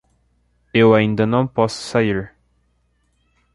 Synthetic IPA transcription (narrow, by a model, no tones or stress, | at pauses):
ewaĩnd̪anɐ̃w̃pɔssaiɾ